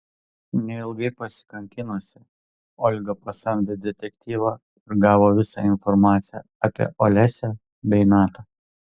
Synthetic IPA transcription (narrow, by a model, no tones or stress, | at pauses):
nʲɛɪlˠɡɐɪpɐsʲɪ̥kɐŋʲkʲɪnosʲɪ | ɔlʲɡɐpɐsɐmʲd̪ʲɪd̪ʲɛt̪ʲɛkʲt̪ʲiːʋɑ | ɪɾɡɑːʋoːʋʲɪsɑ̰ɪnfɔɾmɑːt̪sʲɪjɛ | ɐpʲḭɛʔɔlʲæsʲɛ | bʲɛɪnɑːt̪ɑː